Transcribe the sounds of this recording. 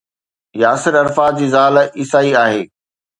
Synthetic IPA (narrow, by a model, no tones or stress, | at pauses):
jaːsɪɾɐɾfaːd͡ʑiːzaːlʔisaːiaːɦeː